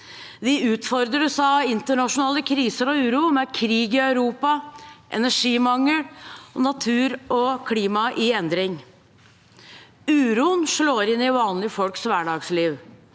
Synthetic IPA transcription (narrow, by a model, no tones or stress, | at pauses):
d̪ɪʉːt̪fɔɾd̪ɾəsɑɪnt̪əɳɑʂʊnɑːləkʰɾiːsəɾɔʉːɾʊmɛkʰɾiːɡɪœʉɾuːpɑʔɛ̰næʂiːmɑŋːəlnɑt̪ʰʉːɾɔkʰliːmɑʔɪɛnd̪ɾɪŋ | ʉːɾuənʂloːɾɪnːɪʋɑːnlɪfɔlksʋæːɖɑːɡsliːʋ